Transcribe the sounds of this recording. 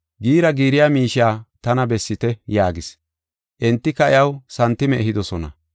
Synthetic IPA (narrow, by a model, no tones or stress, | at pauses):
ɡiːɾɐɡiːɾɪjaːmiːʃaːt̪ɐnɐbɛsːɪt̪ɛjaːɡɪs | ʔɛnt̪ːɪkɐɪjɐwsɐnt̪ːɪmɛɛɦɪd̪ɔsɔnɐ̰